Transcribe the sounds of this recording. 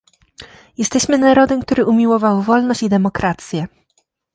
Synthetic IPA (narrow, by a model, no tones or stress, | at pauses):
jɛst̪ɛɕmɘnaɾɔd̪ɛmk̚t̪uɾɘʔumʲiwɔvawvɔlnɔɕt͡ɕid̪ɛmɔkɾat̪sʲjɛ